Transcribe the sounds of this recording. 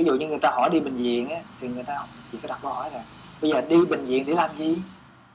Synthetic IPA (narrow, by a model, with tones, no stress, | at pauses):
vi˨˦zṵ˧˨ɲɨ˧ŋɨ˨˩əjt̪aː˧hɔ˧˩jɗi˧ɓï˨˩ŋ̟zḭ˧˨ənʔa˨˦t̪ʰi˨˩ŋɨ˨˩əjt̪aː˧hŋ͡mt͡ɕḭ˨˧˨kɔ˨˦ɗa˨˩kə˧hɔ˧˩˦jzaː˨˩ŋ | ɓə˧jzəː˨˩ɗi˧ɓï˨˩ŋ̟zḭ˧˨ənɗe˧˩˦laː˨˩mzi˧˩